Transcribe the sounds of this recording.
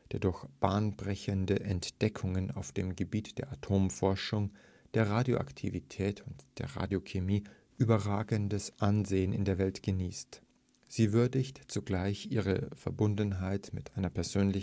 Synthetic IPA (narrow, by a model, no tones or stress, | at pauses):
d̥eːɐdʊɐçb̥aːnbʁɛçəndəʔɛntd̥ɛkʰʊŋəna̰ʊfd̥eːmɡəbiːtd̥eːɐʔatʰoːmfɔɐʃʊŋ | d̥eːɐʁaːdjo̰ʔa̰ktʰḭvitʰɛːtʰʊntd̥eːɐʁa̰ːdjokʰemiː | ʔyːbɐʁaːɡəndəsʔanzeːənɪ̰ndeːɐvɛltɡ̥əniːst | z̥iːvʏɐdɪçtt͡suɡlaɪçʔiːʁ̞əfɛɐbʊndn̩ɦaɪtmɪtʔaɪnɐpʰɛɐzøːnlɪ